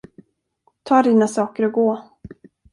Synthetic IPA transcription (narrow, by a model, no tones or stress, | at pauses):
t̪ʰɑːɖiːnasɑːkəɾɔɡoː